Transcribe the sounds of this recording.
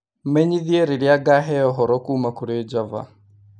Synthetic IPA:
mɛɲiðjeɾeɾjaɡaɦɛɔɦɔɾɔkuːmakuɾed͡ʒava̰

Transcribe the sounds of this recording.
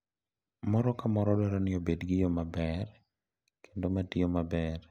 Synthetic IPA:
mɔɾɔkamɔɾɔdɔɾanɪobedɡɪjomabɛr | kʰendomatiomabɛr

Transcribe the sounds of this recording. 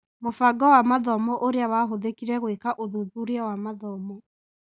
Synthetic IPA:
mofaɡɔwamaðɔmɔʔoɾeawaɦoðekiɾɛɣwekaʔoðuðuɾeɛwamaðɔmɔ

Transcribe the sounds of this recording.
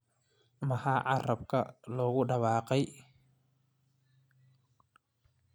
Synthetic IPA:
mɐhaːʕɑrɐbkʰɐ̰lɔːɣʊɖɑβɑːqɛj

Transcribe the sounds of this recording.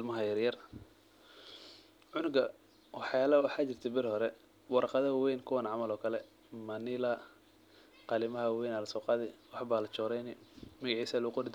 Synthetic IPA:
lmɐɦɐjɐrjɐr | ʕʊnʊɡɐ | wɑħjaːlɐwɑħaːt͡ʃɪr̥t̪ʰɐbɪɾhɔɾɛ | wɑɾɑqɑðɐwɛjnkʰʊwɐnʕɑmɐlɔːkʰɐlɛ | mɐnɪlɐ | qɑlɪmɐɦɐwɛjnaːlɐsɔːqɑːðɪwɑħbaːlɐt͡ʃɔːɾɛjnɪmɐɣɑʕiːsalʊʊqʊɾɪd̪

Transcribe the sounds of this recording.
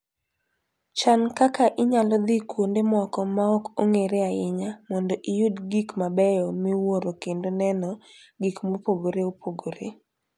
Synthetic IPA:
t͡ʃankakaʔɪɲalɔd̪ikwondemɔkɔmaɔkoŋeɾeaɪɲamɔndɔʔijudɡikmabɛjɔmɪwoɾokendonɛnɔ | ɡikmopoɡoɾeopʰoɡoɾḛ

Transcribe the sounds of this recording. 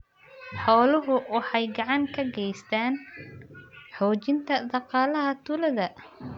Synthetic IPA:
ħɔːlʊɦʊwɑħɑjɡɑʕɑŋkʰɐɡɛjst̪ʰaːn | ħɔːt͡ʃɪnt̪ʰɐd̪ɑqɑːlɐɦɐt̪ʰʊlɐðɐ

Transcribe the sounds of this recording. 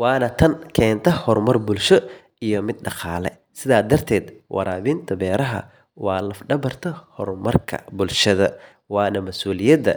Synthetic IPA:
wɑːnɐt̪ʰɐnkʰɛːnt̪ʰɐhɔrmɐrbʊlʃɔ | ijɔmɪd̪̚ɖɑqɑːlɛ̰ | sɪðaːd̪ɐrt̪ʰɛːd̪wʔɑ̰ɾaːβɪnt̪ʰɐbɛːɾɐɦɐ̰ | wɑːlɐfɖɐβɐrt̪ʰɐhɔrmɐrkʰɐ̰bʊlʃɐðɐ | wɑːnɐmɐsuːlɪjɐd̪ɐ̰

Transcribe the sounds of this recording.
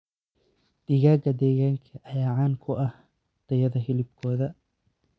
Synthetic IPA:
d̪̥ɪɣaːɡɐd̪ɛːɣaːŋkʰɐʔɐjaːʕɑːŋkʰʊʔɐh | d̪̥ɐjɐðɐɦɪlɪb̚kʰɔːðɐ

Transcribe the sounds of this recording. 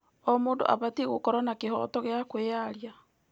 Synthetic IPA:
ɔmoːndo̰ʔa̰βatiɣokɔɾwanakeɦɔ̰tɔɣeakojaɾja

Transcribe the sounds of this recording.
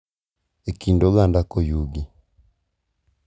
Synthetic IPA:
ekindoɣandakojuɡi

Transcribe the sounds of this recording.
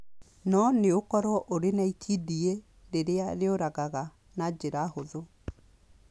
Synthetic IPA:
nɔneokɔɾɔʔoɾenaitʰidie | ɾeɾeaɾeoɾaɣaɣa | nad͡ʑeɾahoðo

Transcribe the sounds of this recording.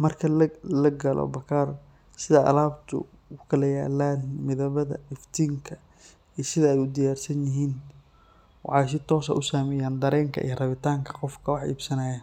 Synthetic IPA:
mɐrkʰɐlɐɡɐlɔ̰bɐkʰaːr | sɪðɐʔɐ̰laːbt̪ʰʊ̰ | ʊkʰɐlɐjaːlːaːnmɪðɐβɐðɐ̰ɪft̪ʰiːŋkʰɐ | iːsɪðɐɛjʊd̪ɪjaːrsɐnjɪɦiːn | wɑħːjs̬ɪt̪ʰɔːsɐ̰ʔʊsaːmɛjaːnd̪ɐɾɛːŋkʰɐ̰ʔḭjɐrɐβɪt̪ʰaːŋkʰɐ̥qɔfkʰɐwɑħḭːbsɐnɐːjaː

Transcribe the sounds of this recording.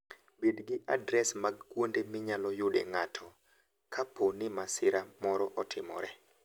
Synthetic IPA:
bedɡɪʔa̰dɾɛsmaɡkwondemɪɲalɔjʊdḛŋatʰɔ | kʰapʰonɪmasɪɾamɔɾɔʔɔtʰɪmɔ̰ɾɛ

